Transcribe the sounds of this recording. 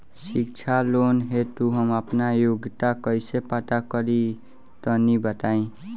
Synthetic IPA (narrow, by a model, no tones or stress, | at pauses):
sik̚t͡sʰalonɦet̪uɦʌmapnajoɡt̪akʌjsepat̪akʌɾi | t̪ʌnibʌt̪aĩ